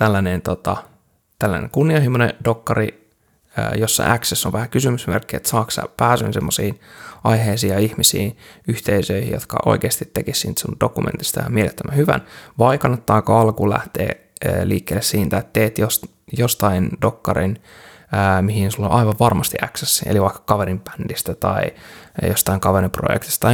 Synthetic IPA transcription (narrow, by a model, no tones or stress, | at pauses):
t̪ælːænent̪ot̪ɑ̰ | t̪ælːæ̰nḛŋkunːiɑhimːonḛd̥okːɑri | ə̰ːjosːɑ̰ʔæksesːoʋʋæhækysymysmerkːiḛt̪sɑːksɑ̰pæːsy̰nsemːosiːnɑjɦeisiːjɑihmisḭːnyht̪eisøihḭjo̰t̪kɑ̰ʔo̰ikeːst̪it̪ːekissint̪sund̥okumḛnt̪i̥st̪ɑjɑ̰mielet̪ːømæhyʋæ̰nʋɑikɑnːet̪ːɑːkɑɑlkulæ̰ht̪ḛː | liːkːeːlːessiːnt̪æet̪t̪eːt̪jos | jost̪ɑindokːɑɾin | əːmihinsulːonʔɑiʋɑʋʋɑrmɑst̪iæksesːiḛliʋɑikːɑ̥kɑʋeɾimpæ̥nd̥ist̪æt̪ɑijost̪ɑiŋkɑʋeɾimpro̰jḛkt̪i̥st̪t̪ɑ